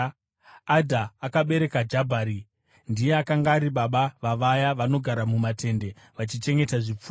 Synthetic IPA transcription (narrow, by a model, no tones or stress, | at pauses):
adʱaːkaɓe̞ɾe̞kad͡ʒabʱaːɾi | ndijeakaŋɡaːɾiɓaɓaʋaʋajaʋano̞ɡʱaɾamumatʰe̞nde̞ | ʋat͡ʃit͡ʃe̞ŋɡe̞taʐip͡fuː